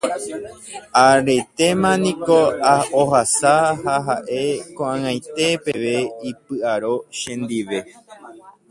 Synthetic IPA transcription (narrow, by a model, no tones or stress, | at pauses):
aɾe̞t̪e̞mãnĩko̞aoɦasaɦaɦaʔe̞kõãŋãjt̪e̞peʋe̞ipɨaɾo̞ʃẽ̞nd̪iʋe̞